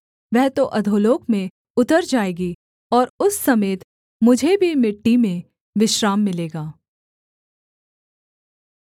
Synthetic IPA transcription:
ʋɛɦt̪oʔɐd̪ʱoːloːkmẽ | ʊt̪əɾd͡ʒaːeːɡi | ɔːɾʊsːɐmeːt̪ | mʊd͡ʒʱebʱimɪʈːimẽ | ʋɪʃɾaːmːɪleːɡaː

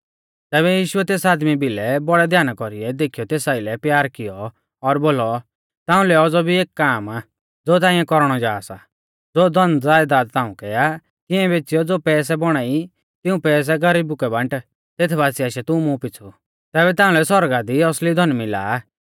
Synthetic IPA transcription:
t̪ɛːβɛjiːʃʊɛt̪eːsaːd̪mibɪlɛbɔɽɛd̪ʱjaːnakɔɾiɛd̪eːkʰijɔt̪eːsaːɪlɛpjaːɾkɪjɔː | ɾboːlɔ | t̪ãːʊ̃lɛɔd͡zɔbʱieːkːaːma | d͡zoːt̪̬aːĩːɛ̃kɔɾɽ̃ɔd͡ʒaːsa̰ | d͡zoːd̪ʱɔnd͡zaːjd̪aːd̪t̪ãːũkɛa | kɪɛ̃beːt͡sɪjɔd͡zoːpɛːs̬ɛbɔɽ̃aːi | t̪ɪũpɛːs̬ɛɡɐɾiːbʊkɛbɐ̃ɳʈ | t̪eːt̪ʰbaːsiaːʃɛt̪ʊ̃mũpɪt͡sʰu | t̪ɛːβɛt̪ãːʊ̃lɛsɔɾɡad̪iɔslid̪ʱɔnmɪla̰ː

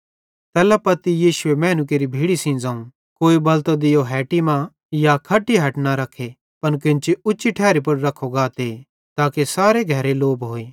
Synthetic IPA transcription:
t̪ɛːlapɐt̪ijiːsʊemɛ̃ːnʊk̬eːɾibʱiːɽisĩːd͡zãːũ | koːibɐlt̪od̪ɪjoɦɛːʈimã | jakʰɐʈːiɦɐʈnaɾɐkʰːe | pɐnkɪ̃nt͡ʃiʊtːʃiʈʰɛːɾipɐɽɾɐkʰoɡaːt̪e | t̪aːkesaːɾeɡʱɐɾeloːbɦoːeː

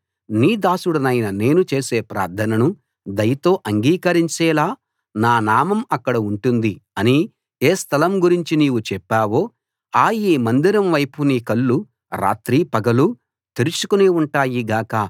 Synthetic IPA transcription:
niːd̪aːsuɽɐnɐjnɐne̞ːnut͡ʃe̞ːse̞ːpɾa̰ːɾd̪ʰʱɐnɐnu | d̪ɐjɐt̪o̞ːʔɐŋɡiːkɐɾiɲt͡ʃɛːlaː | naːnaːmɐmɐkːɐɽɐuɳʈund̪iɐni | eːst̪ʰɐlɐmɡuɾiɲt͡ʃiniːʋut͡ʃɛpːaːʋo̞ː | aːjiːmɐnd̪iɾɐmʋɐjpuniːkɐɭːu | ɾa̰ːt̪ɾiːpɐɡɐlu | t̪eɾut͡ʃukuniuɳʈaːjiɡaːka

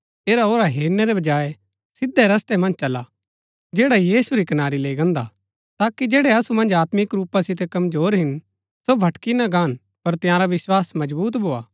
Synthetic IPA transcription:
eːɾaoːɾaɦeːɾnɛɾebɐd͡ʒaːe | sɪd̪ːeɾɐst̪emɐ̃nd͡ʒt͡ʃɐla | d͡ʒeːɽajiːsuɾikɐnaːɾileːiɡɐ̃nd̪a̰ | t̪aːkid͡ʒeːɽɛɐsumɐ̃nd͡ʒaːt̪mɪkɾuːpasɪt̪̬ekɐmzoːɾɦɪn | sobʱɐʈkinaɡãːn | pɐɾt̪jãːɾaʋɪswaːsmɐd͡ʒbuːt̪bʱoːaː

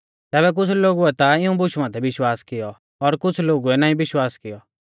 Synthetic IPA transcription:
t̪ɛːβɛk̬ʊt͡sʰloːɡuɛt̪aɪũbʊʃumãːt̪ʰɛʋɪʃwaːskɪjɔ | ɔɾkʊt͡sʰloːɡuɛnaːĩbɪʃwaːskɪjɔ

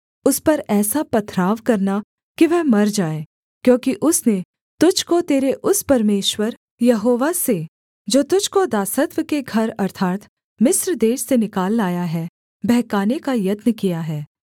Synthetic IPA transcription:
ʊspɐɾɛːsapɐt̪ʰɾaːʋkɐɾna | kiʋɛɦmɐɾd͡ʒaːeː | kjõːkiʔʊsne | t̪ʊd͡ʒkot̪eːɾeʔʊspɐɾmeːʃwəɾ | jɐɦoːʋase | d͡ʒoːt̪ʊd͡ʒkod̪aːsət̪ʋəkeɡʱɐɾɐɾt̪ʰaːt̪ | mɪsɾd̪eːʃsenɪkaːlːaːjaɦɛ | bɛɦkaːnekajɐt̪nəkijaɦɛː

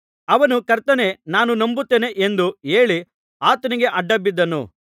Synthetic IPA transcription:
ɐʋɐnukɐɾt̪ɐne̞naːnunɐmbut̪ːeːne̞ʔend̪ueːɭi | aːt̪ɐniɡe̞ʔɐɖːɐbːid̪ːɐnṵ

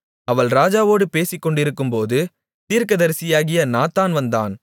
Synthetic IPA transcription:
ɐʋɐɭɾaːd͡ʒaːʋoːɽɯpeːsɪkːɔɳɖɪɾɯkːɯmpoːðɯ | t̪iːɾkɐðɐɾsɪjaːɣɪjɐnaːt̪aːnʋɐnd̪a̰ːn

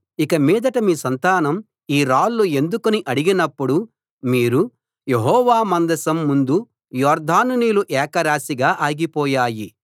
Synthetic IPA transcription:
ikɐmiːd̪ɐʈɐmiːsɐnt̪aːnɐm | iːɾaːlːue̞nd̪ukuniʔɐɽiɡinɐpːuɽu | miːɾu | je̞ɦɔːʋaːmɐnd̪ɐsɐmːund̪u | jɔːɾd̪ʱaːnuniːluʔɛːkɐɾaːsiɡaːʔaːɡipɔːjaːji

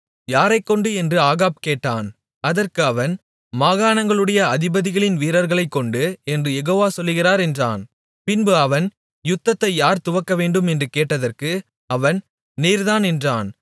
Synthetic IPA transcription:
jaːɾɐɪkːɔɳɖɯɛndrɯaːɣaːb̚keːʈːaːn | ɐðɐrkɯɐʋɐn | maːɣaːnɐŋɡɐɭɯɽɐjɐɐðɪbɐðɪɣɐɭɪnʋiːɾɐɾɣɐɭɐɪkːɔɳɖɯɛndrɯjɛɣoːʋaːsɔlːɯɣɪraːɾɛndra̰ːn | pɪnbɯɐʋɐn | jʊt̪ːɐt̪ːɐɪjaːɾt̪ʊʋɐkːɐʋeːɳɖɯmɛndrɯkeːʈːɐðɐrkɯ | ɐʋɐn | niːɾðaːnɛndraːn

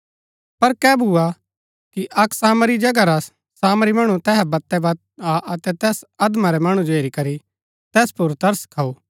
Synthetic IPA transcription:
pɐɾkɛːbʱua | kiʔɐksaːmɾid͡ʒɐɡaɾas | saːmɾimɐɽ̃ut̪ɛːɦɛbɐt̪ːɛbat̪aʔɐt̪ɛt̪ɛːsɐd̪maɾɛmɐɽ̃ũd͡ʒoɦeːɾikɐɾi | t̪ɛːspʊɾt̪ɐɾskʰɐoː

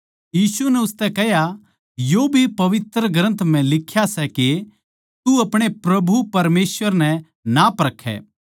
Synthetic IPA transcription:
jiːsunɛʊst̪ɛkɛɦja | joːbʱipɐʋɪt̪ɾəɡɾə̃nt̪ʰm̤ɛ̃lɪkʰːjasɛke | t̪uɐpɽ̃epɾɐbʱupɐɾmeːsʋəɾnɛ̃ | napɐɾəkʰːɛ̰ː

